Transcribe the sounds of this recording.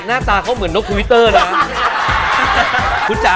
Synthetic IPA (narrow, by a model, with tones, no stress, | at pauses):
k̚naː˥˩t̪aː˧kʰa˦˥wmɯ˩˦ənːo˦˥k̚t̪ʰːwi˦˥t̪ːɤː˥˩na˦˥ | kʰu˨˧˥t͡ɕa˨˧